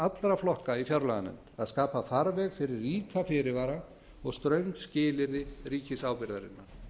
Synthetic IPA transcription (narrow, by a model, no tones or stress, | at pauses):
at̪lɾaflɔhkaifjaɾlaɣanɛ̰mt̪aðskaːpafaɾvɛɣfɪɾɪrːiːkafɪɾɪvaːɾa | ɔɣst̪ɾœɥŋkscɪːlɪɾðɪriːcɪsawpɪɾðaɾɪ̰nːa